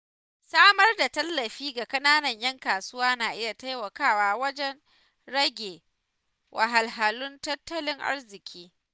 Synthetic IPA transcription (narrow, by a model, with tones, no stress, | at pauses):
saː˦mɐ˦rda˨tɐ˦lːɐ˨ɸiː˦ɡa˨kɐ˦naː˦nɐ˨ɲjɐ˦ŋkaː˨sʊ˦waː˦naː˨ʔɪ˦ja˨ta˦jwɐ˨kaː˦˨waː˦wɐ˦d͡ʒɛ˦n | ɽɐ˦ɡʲeː˨ | wʔa˨ɦa˨lɦa˨lʊ˦ntɐ˦tːɐ˦lɪ˦ŋʔa̰˦rzɪ˨kʲiː˦